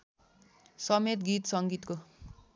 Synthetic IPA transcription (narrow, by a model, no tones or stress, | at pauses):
sʌmet̪ɡit̪sʌŋɡit̪ko